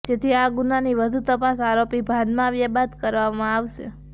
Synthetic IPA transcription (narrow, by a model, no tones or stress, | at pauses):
d͡ʒet̪ʰiaɡunaniʋəd̪ʱut̪əpasaɾopibʱãnd̪mãʋjabad̪kəɾʋamãaʋʃḛ